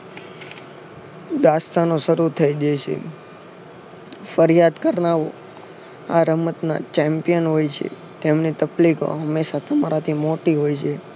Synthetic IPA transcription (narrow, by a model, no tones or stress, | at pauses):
d̪ast̪anoʃəɾut̪ʰəid͡ʒajt͡ʃʰḛ | fəɾijad̪kəɾnaʋo | a̰ɾəmət̪na̰t͡ʃɛmpijənɦojt͡ʃʰḛ | t̪emnit̪əpliko̰ɦəmːeʃat̪əmaɾat̪ʰimoʈiɦojt͡ʃʰe